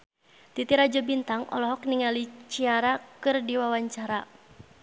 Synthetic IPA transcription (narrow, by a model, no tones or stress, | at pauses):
t̪it̪iɾad͡ʒɔbint̪aŋɔ̰lɔɦɔk̚niŋalit͡ʃiaɾakɨrdiwawaɲt͡ʃaɾa